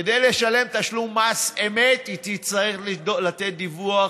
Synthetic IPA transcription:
ed̪ejleʃale̞mt̪aʃlumːasemet̪it̪it͡saʁiχlidolat̪et̪̚d̪ivua

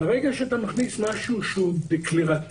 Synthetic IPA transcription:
aʁɛɡaʃɛat̪amaχnismaʃuʃud̪ekʰliʁa

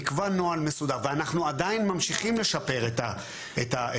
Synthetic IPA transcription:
kvano̞alme̞sud̪aʁveanaχnuad̪ainmamʃiχimle̞ʃape̞ʁet̪a | et̪a

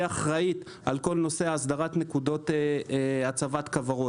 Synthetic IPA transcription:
aχʁait̪ | ʔalko̞lno̞se̞aːsd̪aʁat̪ne̞kud̪o̞t̪eat͡savat̪kavaʁo

